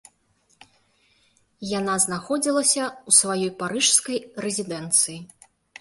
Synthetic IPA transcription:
janaznaxɔd͡zʲilˠɐsʲɐusvajɔjpaɾɨʂskɐjrɛzʲid̪ɛnt̪sɨji

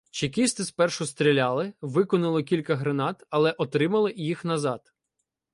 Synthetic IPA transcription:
t͡ʃikʲist̪ɪspɛrʃʊst̪ɾʲilʲɑlˠɪʋɪkɔnʊlˠɔkʲilʲkɐɦɾenɑt̪ɐlˠɛʔɔt̪ɾɪmɐlˠɪjixnɐzɑd̪

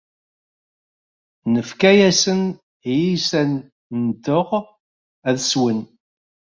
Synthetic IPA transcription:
nəfkæjæsən | jisæn | nd̪əʁ | æðswən

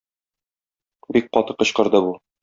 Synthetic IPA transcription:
bik̚qɒt̪ɤqɤ̆ɕqɤ̆ɾd̪ɤbu

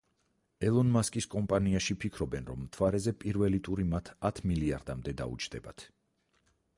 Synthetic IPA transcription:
ɛlˠɔnmaskʼiskʼɔmpʼaniaʃipʰikʰɾɔbɛnɾɔmːt̪ʰvaɾɛzɛpʼiɾvɛlit̪ʼuɾimat̪ʰat̪ʰmiliaɾd̪amd̪ɛd̪a̰ṵt͡ʃʰd̪̥ɛba̰t̪ʰ

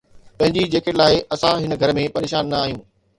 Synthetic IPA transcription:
pɐ̃ɦɪ̃ɲd͡ʑid͡ʑeːkelaːɪʔɐsãɦɪnə̆ɡʱɐɾmẽpɐɾeːʃaːnːaːɦijũː

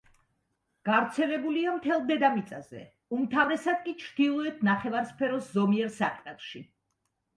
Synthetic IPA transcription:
ɡ̥avɾt̪sʰɛlɛbuliamt̪ʰɛlˠd̪ɛd̪amit̪sʼazɛ̰ | umt̪ʰavɾɛsad̪̚kʼit͡ʃʰɾd̪ilˠɔɛt̪ʰnaχɛvaɾspʰɛɾɔszɔmiɛɾsaqʼmʼɛlˠʃi

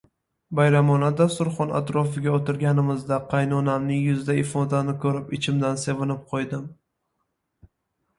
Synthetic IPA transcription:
bajɾamɒnad̪ast̪ʊɾχɒna̰t̪ɾɒfɪɡʲaot̪ɪɾɡʲanɪmɪzd̪aqʰɑjnɒnamnɪŋjʊzd̪aɪfod̪anɪkʰɵɾɪpɪt͡ʃʰɪmd̪anse̞vɪnɪp̚qʰojd̪ɪm

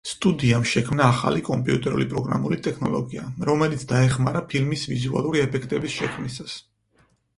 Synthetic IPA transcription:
st̪ʼud̪iamʃɛkʰmnaːχa̰likʼɔmpʼiut̪ʼɛɾṵlipʼɾɔɡɾa̰mulit̪ʼɛkʰnɔ̰lˠɔɡiaɾɔmɛlit̪sʰd̪̥aɛχmaɾapʰilmisvizua̰lˠuɾiɛpʰɛkʰt̪ʼɛbisʃɛkʰmisas

